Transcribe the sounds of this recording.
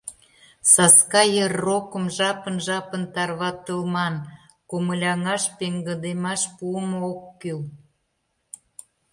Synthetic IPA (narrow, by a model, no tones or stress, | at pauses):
sɑskɑjərːokəmʒɑpənʒɑpənt̪ɑrβɑt̪əlmɑn | koməlʲɑŋɑʃpeŋɡə̆d̪emɑʃpuəmookːyl